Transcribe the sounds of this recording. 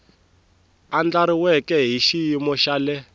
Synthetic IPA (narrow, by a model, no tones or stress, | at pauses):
and͡ɮaɾiwɛkɛɦiʃijimɔʃalɛ